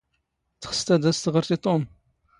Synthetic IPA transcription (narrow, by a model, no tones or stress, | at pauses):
t͡sχə̥st̪æd̪æst̪əʁəɾtit̪ˤom